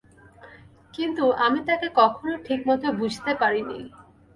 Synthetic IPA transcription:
kint̪uʔamit̪akekɔkʰonoʈʰikmɔt̪ʰobud͡ʑʱt̪epaɾinḭ

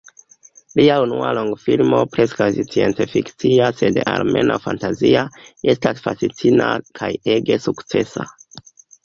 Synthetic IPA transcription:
liaunua̰loŋɡfilmo̞pɾe̞skasit͡sient͡sefikt͡siase̞dalme̞nʔa̰fantaziae̞stasfasit͡sʰinakʰaje̞ɡe̞sukt͡se̞sa

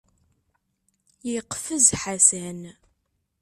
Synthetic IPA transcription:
jiqfəzħasæn

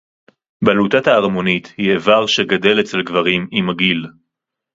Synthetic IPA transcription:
balut̪at̪aːʁmo̞nit̪hievaʁʃeɡad̪e̞let͡se̞lɡvaʁimimaɡil

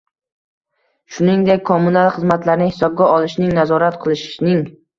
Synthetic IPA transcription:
ʃʊnɪŋd̪ekʲkʰːomːunalˠχɨzmat̪laɾnɪhɪsɒb̚ɡʲaɒlˠɪʃnɪŋnazɒɾat̪qʰɨlˠɪʃnɪŋ

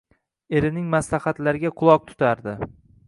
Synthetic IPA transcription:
e̞ɾɪnɪŋmaslaχat̪laɾɪɡʲaqʰʊlˠɒq̚t̪ʰʊ̥t̪ʰaɾd̪ɪ

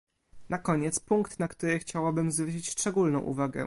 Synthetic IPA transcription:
nakɔɲɛt̪spuŋkt̪nakt̪uɾɘxt͡ɕawabɘmzvɾɘɕ̬it͡ɕst͡ʂɛɡulnɔ̃w̃ʔṵvaɡɛ̰

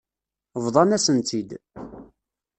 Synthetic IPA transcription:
vðˤɑnæsənt̪ʰid̪

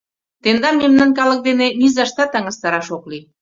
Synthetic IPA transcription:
t̪end̪ɑmːemnɑnkɑlək̚d̪enenizɑʃt̪ɑt̪ɑŋə̆st̪ɑɾɑʃokli

